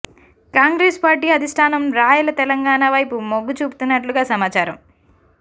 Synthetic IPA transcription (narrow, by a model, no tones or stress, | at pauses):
kaːŋɡɾeːspaːɾʈiːɐd̪ʱisʈʰaːnɐmɾaːjulɐt̪ɛlɐŋɡaːnɐʋɐjpumoɡːut͡ʃuːpu̥t̪unːɐʈluɡaːsɐmaːt͡ʃaːɾɐm